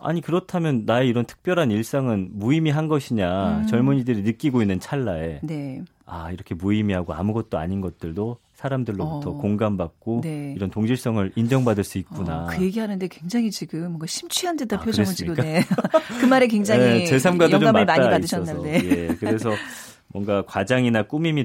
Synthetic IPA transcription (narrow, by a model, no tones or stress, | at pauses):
a̰ɲikɯɾʌtʰamjʌnːaeiɾʌntʰɯ̥k̚p͈jʌɾɦaniɭs͈aŋɯnmuimiɦanɡʌɕʰiɲat͡ɕʌɭmuɲidɯɾinɯk͈iɡoinːɯnt͡ɕʰaɭːae̞ne̞ | a̰iɾʌkʰe̞muimiɦaɡoa̰muɡʌt̚t͈oa̰ɲinɡʌt̚t͈ɯɭdo | sʰaɾamdɯɭːobutʰʌkoŋɡambak̚k͈oneiɾʌntoŋd͡ʑiɭs͈ʌŋɯɾind͡ʑʌŋbadɯɭs͈uit̚k͈unakɯje̞ɡiɦanɯnde̞kwe̞ŋd͡ʑaŋit͡ɕiɡɯmːʌŋɡaɕʰimt͡ɕʰɥiɦandedapʰoɯɾesɯɭiok͈aekɯmaɾekweŋd͡ʑaiet͡ɕe̞s̬ʰamɡwadod͡ʑoammmaaiadɯɕʌʌanejekɯɾe̞sʰʌ | mwʌŋɡakwad͡ʑaŋinak͈umimi